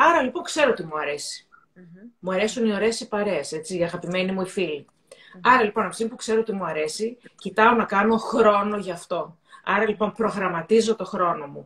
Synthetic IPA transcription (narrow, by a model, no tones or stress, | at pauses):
ɐɾɐlipo̞ŋkse̞ɾo̞t̪imuɐɾe̞si̥ | muɐɾe̞sunio̞ɾe̞sipɐɾe̞se̞t͡siɐɣɐpime̞nimuifili | ɐɾɐlipo̞nɐfsipukse̞ɾoot̪imuɐɾe̞sicit̪ɐo̞nɐkɐno̞xɾo̞no̞ʝɐːft̪o̞ | ɐɾɐlipo̞mpɾo̞ɣɾɐmɐt̪izo̞t̪o̞xɾo̞no̞mu